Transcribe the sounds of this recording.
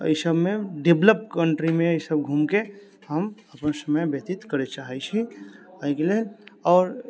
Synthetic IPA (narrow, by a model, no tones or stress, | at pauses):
ə̰ɪsəbmẽɖebləp̚kəɳʈɾimẽəjsəbɡʱumke | ɦəməpnasəməjbet̪ɪt̪kəɾet͡ʃaːɦɛt͡ʃʰiaːkelelɔːɾ